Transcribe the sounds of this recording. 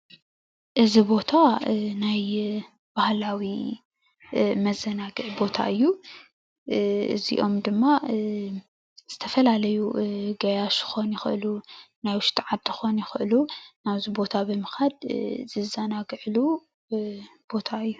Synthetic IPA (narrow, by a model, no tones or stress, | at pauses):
ʔɨzibo̞t̪ʰanaj | b̥ahlawi | mɐzɐnaɡɨʕbo̞t̪ʰa̰ʔɨjːu | ɨ̰zḭʔo̞̰md̪ɨmːa | z̥ɨt̪ʰɐfɐlalɐjuɡɐjaʃɨ̥xo̞njɪxɨʔɨlunajwʊʃt̪ʰiʕad̪ːɨxo̞njɪxɨʔɨlunaβzibo̞t̪ʰabɨmɨxad̪zɨzɐnaɡɨʕlu | b̥o̞t̪ʰaɨjːu